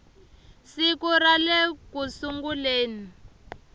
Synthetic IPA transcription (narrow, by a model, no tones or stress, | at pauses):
sikuralekusuŋɡuleːni